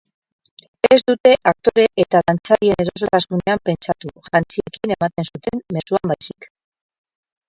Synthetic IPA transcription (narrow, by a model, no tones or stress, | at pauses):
ezd̪ut̪e̞ʔak̚t̪o̞ɾe̞ʔet̪aðant͡saðie̞ne̞ɾo̞s̬o̞t̪asune̞ampe̞nt͡ʃat̪uʝant͡siekine̞mat̪e̞nsut̪e̞mme̞suambajsi̥k